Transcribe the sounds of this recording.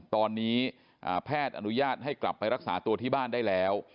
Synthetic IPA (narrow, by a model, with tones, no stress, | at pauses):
t̪ɔː˧nːiː˦˥ | ʔaː˨˩pʰɛː˥˩t̪̚ʔa̰˧nu˦˥jaː˥˩t̪̚ɦa˥˩jkla̰˨˩pːa˧jɾa˦˥k̚saː˩˦t̪u˧ət̪ʰiː˥˩baː˥˩ndaː˥˩jlɛː˦˥w